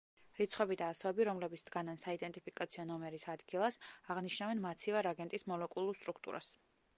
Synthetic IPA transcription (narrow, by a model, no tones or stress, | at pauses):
ɾit̪sʰχɔbid̪aːsɔvɛbiɾɔmlɛbit̪sʰd̪̥ɡanansaid̪ɛnt̪ʼipʰikʼat̪sʰiɔnɔmɛɾisad̪ɡilˠasaʁniʃnavɛnmat̪sʰivaɾaɡɛnt̪ʼismɔlɛkʼulˠuɾst̪ʼɾukʰt̪ʼṵɾʔa̰s